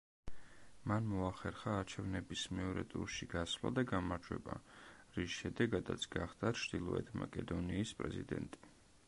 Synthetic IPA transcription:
manmɔaχɛɾχaːɾt͡ʃʰɛvnɛbismɛɔɾɛt̪ʼṵɾʃiɡaslˠa̰d̪aɡamaɾd͡ʒwɛ̰ba̰ɾisʃɛd̪ɛɡad̪a̰t̪sʰɡ̥aχd̪at͡ʃʰɾd̪ilˠɔ̰ɛt̪ʰma̰kʼɛd̪ɔniːspʼɾɛ̰zid̪ɛ̰nt̪ʼi̥

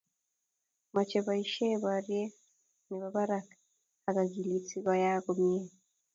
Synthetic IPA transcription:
mat͡ʃeβaiʃeβaɾje | niβaβaɾakḁ | akaɡilit͡siβajakomie

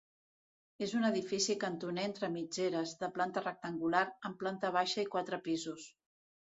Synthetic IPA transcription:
ezunəðifisikənt̪uneent̪ɾəmid͡ʒeɾəzðəplant̪ərək̚t̪əŋɡulaɾəmplant̪əβ̞aʃəikwat̪ɾəpizus

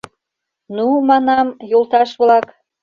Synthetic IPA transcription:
numɑnɑmjolt̪ɑʃβlɑk

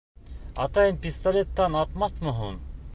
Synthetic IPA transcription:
ɑt̪ɑjənpist̪alʲet̪ːɑnɑt̪mɑθmɵɦum

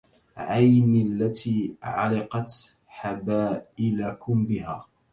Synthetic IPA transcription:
ʕajnɪalːat̪ʰiːʕa̰lɪqɑt̪ | ħabaːʔɪlakʊmbɪhaː

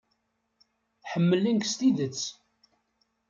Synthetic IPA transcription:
ħəmːəlːinkst̪iðət͡sː

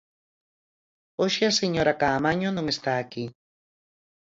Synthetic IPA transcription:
oʃeaseɲoɾakaːmaɲonõŋest̪aːki

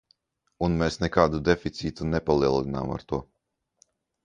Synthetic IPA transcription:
unmeːsnɛkaːd̪ud̪efit̪siːt̪unɛpalˠiɛlˠina̰ːma̰ɾt̪uɔ

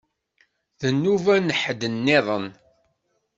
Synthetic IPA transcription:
ðənːuvænəħəd̪ənːɪðˤən

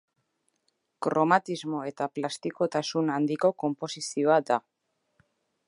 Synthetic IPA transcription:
kɾo̞mat̪izmo̞e̞t̪aplast̪iko̞t̪asunand̪iko̞ko̞mpo̞sisio̞ad̪a

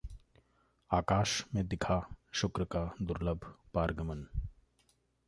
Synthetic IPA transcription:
aːkaːʃmẽd̪ɪkʰaʃʊkɾəkad̪ʊɾləbʱpaːɾɡəmən

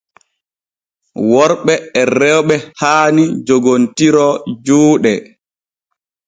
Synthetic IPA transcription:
wɔɾɓɛːrɛwɓɛhaːnid͡ʒoɡontiɾɔd͡ʒuːɗɛ

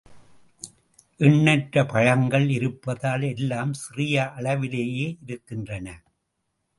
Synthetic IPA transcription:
ʔɪɳːɐʈɾɐpɐɻɐŋɡɐɭɪɾɯpːɐðaːlɛlːaːmsɪrɪjɐʔɐɭɐʋɪleːjeːʔɪɾɯkːɪndrɐnɐ

